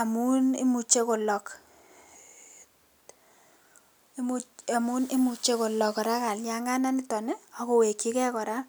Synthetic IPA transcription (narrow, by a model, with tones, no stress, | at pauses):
a˨mu˦ni˦mu˨t͡ʃe˦ko˨lɔ˨k | mu˦a˨mu˦nɪ˦mu˨t͡ʃːe˦ko˨lɔ˨kɔ˨ɾa˦ka˨lja˦ŋɡa˦na˦nɪ˦tɔ˨ne˦ɔ˨ko˨we˨kːi˦kɛ˦kɔ˨ɾa˦